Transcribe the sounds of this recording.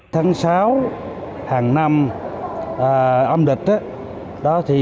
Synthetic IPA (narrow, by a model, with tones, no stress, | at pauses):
t̪ʰaː˨˦ŋsaː˨˦w | haː˨˩ŋna˧m | ʔəː˨˩ʔə˧mɗï˨˩k̟̚ʔa˨˦ | ɗɔ˨˦t̪ʰi˨˩